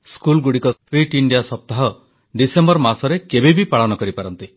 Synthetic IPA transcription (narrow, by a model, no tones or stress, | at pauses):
skulɡuɽikɔt̪ʰɾiʈiɳɖijasɔp̚t̪aɦɔ | ɖisembɔɾmasɔɾekebebipaɭɔnɔkɔɾipaɾɔnt̪i